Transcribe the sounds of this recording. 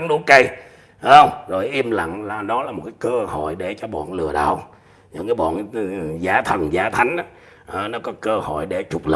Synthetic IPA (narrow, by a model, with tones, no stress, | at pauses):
ŋɗu˨˦kə˧j | wŋ͡mzo˨˩jʔi˧əmla̰˧˨ŋlaː˨˩ɗɔ˨˦laː˨˩mo˨˩t̚kaː˨˦jkəː˧ho̰˧˨jɗe˧˩t͡ɕɔ˧ɓɔ̰ː˧˨nlɨ̰˨˧˩əɗa̰ː˧˨w | ɲɨ̰˨˧ŋkaː˨˦ɓɔ̰˧˨n˨zaː˨˦t̪ʰə˨˩nzaː˨˦t̪ʰa˨˦jŋ̟ʔa˨˦ | ʔəː˨˩nɔ˨˦kɔ˨˦kəː˧ho̰˧˨jɗe˧˩t͡ɕʊ˨˩k͡p̚lə̰˧˨